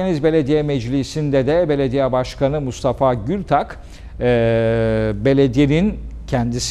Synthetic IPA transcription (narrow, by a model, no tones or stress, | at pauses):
enizbe̞lʲed̪ijɛmɛd͡ʒlʲisind̪ɛd̪ɛbe̞lʲe̞d̪ijabaʃkʰanɯmust̪ʰafaɟylʲt̪ʰakː | be̞lʲed̪ijenincʰænd̪is